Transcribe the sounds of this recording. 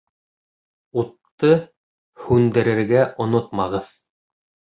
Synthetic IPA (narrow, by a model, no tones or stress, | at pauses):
ut̪ːɤ | hʉnd̪ɘ̆ɾɘ̆ɾɡæʔŏnot̪mɑʁɤð